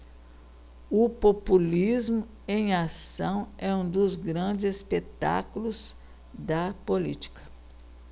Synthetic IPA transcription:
ʊpopulizmʊ | ẽj̃asɐ̃w̃ɛũd̪ʊzɡɾɐ̃d͡ʒɪzespet̪a̰kulʊz | d̪ɐpolḭt͡ʃi̥kɐ̥

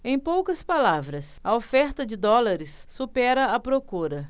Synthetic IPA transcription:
ẽj̃powkɐspalavɾɐsɐofɛɾt̪ɐd͡ʒɪd̪ɔlaɾɪsːupɛɾɐɐpɾokuɾɐ

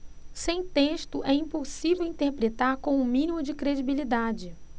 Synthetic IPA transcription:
sẽj̃t̪eʃt̪ʊʔɛĩposivewĩnt̪eɾpɾet̪aɾkõʊmĩnimʊd͡ʒɪkɾed͡ʒibilid̪ad͡ʒɪ

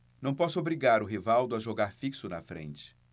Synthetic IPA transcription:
nɐ̃w̃pɔsʊobɾiɡaɾʊɦivawd̪ʊaʒoɡaɾfiksʊnɐfɾḛ̃nt͡ʃɪ̥

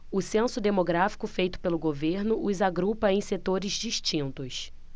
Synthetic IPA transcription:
ʊsẽsʊd̪emoɡɾafi̥kʊfejt̪ʊ̥pelʊɡoveɾnʊʔʊzaɡɾupɐẽj̃set̪oɾɪzd͡ʒiʃt͡ʃĩnt̪ʊs

